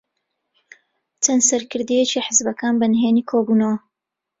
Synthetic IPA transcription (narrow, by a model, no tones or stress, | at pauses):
t͡ʃɐnsɐɾkɨɾd̪ijet͡ʃiħəzbɐkaːnbɐnɦeːniːkʰoːbuːnɐwɐ